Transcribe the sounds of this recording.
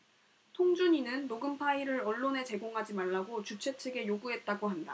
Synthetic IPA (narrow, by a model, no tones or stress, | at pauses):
tʰoŋd͡ʑuɲinɯnːoɡɯmpʰaiɾɯɾʌɭːone̞t͡ɕe̞ɡoŋɦad͡ʑimaɭːaɡot͡ɕut͡ɕʰe̞t͡ɕʰeɡe̞joɡuɦe̞t̚t͈aɡoɦanda